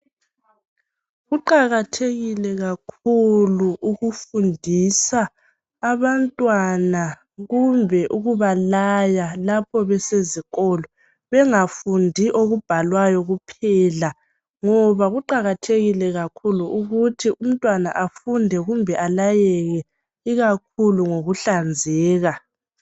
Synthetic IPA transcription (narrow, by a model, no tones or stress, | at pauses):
ɣuǃaɣatʰeɣilɛɣakʰuluuɣufundʱisaː | βantʼwana | ɣumbʱɛʔuɣuβalajalapʰɔβɛseziɣɔːlɔ | βɛŋafundʱiʔoɣub̥ʱalwajɔɣupʰɛla | ŋɔβaɣuǃaɣatʰeɣilɛɣakʰuluʔuɣutʰiʔum̩tʼwana̰ʔafundʱɛɣumbʱɛʔalajɛɣɛ | iɣak̚ʰuluŋoɣuɬand͡zʱɛːɣa